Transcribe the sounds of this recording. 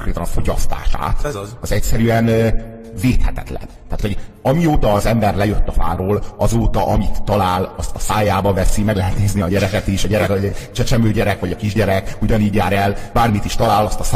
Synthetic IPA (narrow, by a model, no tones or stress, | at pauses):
krɾeːt̪ɒnɒfo̞ɟɒ̰st̪a̰ːʃa̰ːt̪ɒzɛcsɛɾyɛn | veːt̪hɛt̪ɛ̰t̪lɛ̰nt̪aːt̪ho̞ɟɒmiot̪ɒːzɛmbɛrlɛjøt̪ːɒfa̰ːɾoːlʔɒzoːt̪ɒʔɒmit̪ːɒlaːlɒst̪ɒsaːjaːbɒvɛsimɛɡlɛɦɛt̪neːzniɒɟɛɾɛkɛt̪iʃɒɟɛɾɛkt͡ʃɛt͡ʃɛmøːɟɛɾɛkʋɒɟɒkiʒɟɛɾɛkuɟɒniːɟjaːɾɛlb̥aːrmit̪iʃt̪ɒlaːlɒst̪ɒs